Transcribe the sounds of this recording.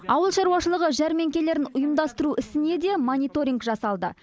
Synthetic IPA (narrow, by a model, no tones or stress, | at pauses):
ɑwəlˠʃɑɾuwɑʃəlˠəʁəʒæɾme̞ŋkʲele̞ɾɪnʊjəmd̪ɑst̪əɾuɪsɪne̞d̪e̞monʲijt̪o̞ɾʲiŋɡʒɑsɑlˠd̪ə̰